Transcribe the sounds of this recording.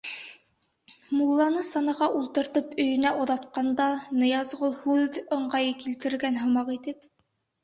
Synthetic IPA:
mulˠːɑnɤsɑnɑʁɑʔulˠt̪ɤ̆ɾt̪ɤpɵ̆jɵ̆næʔoðɑt̪qɑnd̪ɑnɤ̆jɑzʁolˠhʉðɤ̆ɴɢɑjɤkilt̪ɘ̆ɾɡænɦŏmɑqit̪ɘp

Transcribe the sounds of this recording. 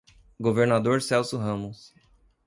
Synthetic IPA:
ɡoveɾnad̪oɾsɛwsʊɦɐ̃mʊs

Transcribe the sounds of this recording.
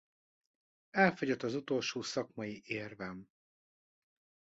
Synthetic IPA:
ɛlfo̞ɟot̪ːɒzut̪o̞lʃoːsɒkmɒjiʔeːrvɛm

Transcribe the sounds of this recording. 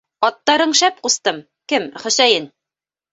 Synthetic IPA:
ɒt̪ːɑɾɤ̆ɴʃæp̚qust̪ɤm | kɘmχɵ̆sæjɘn

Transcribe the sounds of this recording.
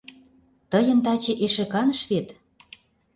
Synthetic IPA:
t̪ə̆jə̆nt̪ɑt͡ɕĕʔeʃĕkɑnə̆ʃβet̪

